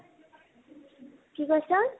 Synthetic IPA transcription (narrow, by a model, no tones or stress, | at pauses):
kiɡʌrt͡sʰʌ